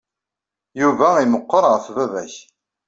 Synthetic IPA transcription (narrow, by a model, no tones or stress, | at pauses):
juvæiməqːəɾˤʁəfvævæç